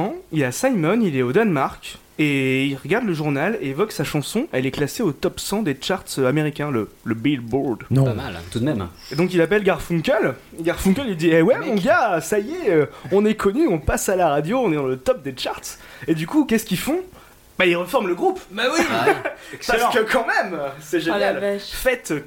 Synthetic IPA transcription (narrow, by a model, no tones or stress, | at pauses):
ɑ̃ilasajmɔnilɛod̪anmaʁkʲ | eilʁəɡaʁd̪ləʒuʁnaleevɔksaʃɑ̃sɔ̃ʔɛlɛklaseot̪ɔpsɑ̃d̪et͡ʃaʁt̪sameʁikʲɛ̃lələbilbuʁd̪̃paa̰lt̪ud̪mɛm | ed̪ɔ̃k̬ilapɛlɡaʁfũkʲœl | ɡaʁfũŋkʲɛlild̪iɛwɛmɔ̃ɡasajɛøɔ̃nɛkʰɔnyɔ̃pasalaʁad̪joɔ̃nɛd̪ɑ̃lət̪ɔp̚d̪et͡ʃaʁt̪s | ed̪ykukʲɛskʲifɔ̃ | bailʁəfɔʁmləɡʁupawi | skəkɑ̃mɛmsɛʒenjalɛfɛt̪